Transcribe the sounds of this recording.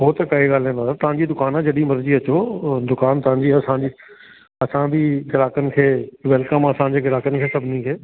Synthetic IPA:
ɦoːt̪ɐkɐiɡaːl̤ẽːnaaɾt̪ɐʋãɲd͡ʑid̪ʊkaːnɦãd͡ʑɐɗimɐɾd͡ʑiɐt͡ɕod̪ʊkaːnt̪ɐʋ̤ãːɲd͡ʑiːɐsãd͡ʑi | ɐsãbʱiɡɪlaːkənɪ̆kʰeːʋɛːlkəmɐsãːd͡ʑeːɡɪlaːkənɪ̆kʰeːsɐbʱnikʰeː

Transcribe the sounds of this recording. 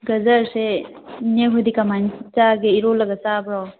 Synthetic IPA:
ɡɐzɐɾse | neɦud̪ikamantaɡeiɾolɐɡɐsabɾɔ

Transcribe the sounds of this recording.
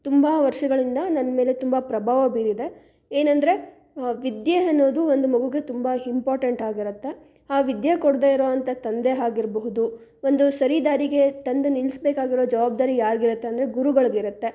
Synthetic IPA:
t̪umbɐʋɐɾʂɐɡɐɭind̪ɐnɐnːɐme̞ːle̞t̪umbɐpɾɐbʱaːʋɐbiːɾid̪e̞ | eːnɐnd̪ɐɾe̞ | ʋid̪jeɐnːo̞ːd̪uond̪umɐɡuɡe̞t̪umbɐimpaːɾʈeɳʈaːɡiɾut̪ːe̞ | aːʋid̪jɐkoɽd̪eːiɾo̞ːɐnt̪ɐt̪ɐnd̪e̞ɦaːɡiɾbɐɦud̪u | o̞nd̪usɐɾid̪aːɾiɡe̞t̪ɐnd̪enilsbeːkaːɡiɾoːd͡ʒɐʋaːb̚d̪aːɾijaːɾɡiɾut̪ːe̞ɐnd̪ɐɾe̞ɡuɾuɡɐɭɡiɾut̪ːe̞

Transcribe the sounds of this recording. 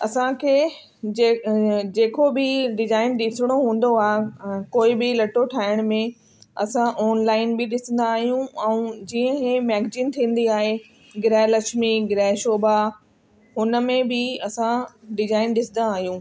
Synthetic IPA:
ɐsãkʰeː | d͡ʑeːkobɪɖɪzaːɪnɗɪsɪɽ̃oɦũːn̆d̪oaːɦekoːɪbɪlɐʈoʈʰaːɪɽ̃mẽ | ɐsãʔɔːnlaːɪnbɪɗɪsə̃n̆d̪aːɦijũɛ̃ũd͡ʑiːə̃kemɛːɡd͡ʑĩːnt̪ʰĩːn̆d̪iaːɦe | ɡɪɾɛːlɐʃmiɡɪɾɛːɦʃoːba | ɦʊnə̆mẽbɪɐsãɖɪzaːɪnɗɪsə̃nd̪aːɦijũː

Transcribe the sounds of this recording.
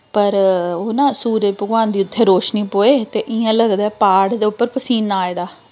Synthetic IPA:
pəɾoːnãːsuːɾepəɡʋaːnd̪iːʊt̪ʰːeːɾoːʃniːpoːeːt̪eːʔɪãːləɡd̪aːɛpaːɽd̪eːʊpːəɾpəsiːnːaːeːd̪aː

